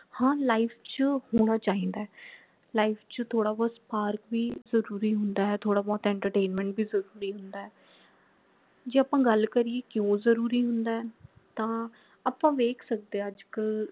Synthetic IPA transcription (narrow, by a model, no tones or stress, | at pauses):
hãːlaːipʰt͡ʃəhoːɽ̃aːt͡ʃaːĩːnd̪aːɛː | laːipʰt͡ʃət̪ʰoːɽaːbɔːspaːɾkʋiːzəɾuːɾiːɦʊnd̪aːɦɛːt̪ʰoːɽaːbɔːt̪ɛ̃ːɳʈəɾʈeːnmɛ̃ːɳʈbiːzəɾuːɾiːɦʊnd̪aːɛː | d͡ʒeːaːpãːɡəlkəɾieːkɪjõːzəɾuːɾiːɦʊnd̪aːɛː | t̪ãː | aːpãːʋeːkʰsək̚d̪eːəd͡ʒkə